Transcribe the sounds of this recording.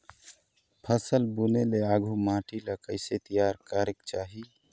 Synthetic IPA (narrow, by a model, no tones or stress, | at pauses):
pʰəsəlbuneleaːɡʱumãːʈʰiləkəɪset̪ijaːɾkaːɾɪkt͡ʃaːɦi